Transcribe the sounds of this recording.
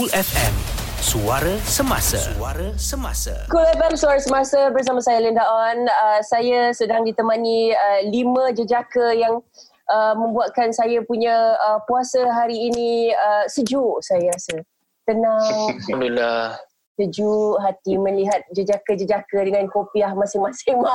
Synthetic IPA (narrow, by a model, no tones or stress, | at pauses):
kulɛfɛ̰m | suaɾasəma̰sa̰aɾasəma̰sa̰kulɛfɛmsuaɾasəmasabərs̬amasajaləndaʔanəsajasədaŋdit̪əmaniəlimãd͡ʒəd͡ʒakəjaŋ | ʔəmə̃mbuat̪̚kansajapuɲaəpuasəɦaɾiːniəsəd͡ʒuʔsajasə | t̪ənaŋmənula | səd͡ʒuʔɦat̪iməliɦat̪̚d͡ʒəd͡ʒakəd͡ʒəd͡ʒakədəŋankopiahmasɪŋmasɪŋma